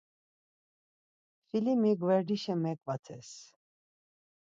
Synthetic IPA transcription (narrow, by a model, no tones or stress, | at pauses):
filimiɡvɛɾd̪iʃɛmɛkʼvat̪ʰɛs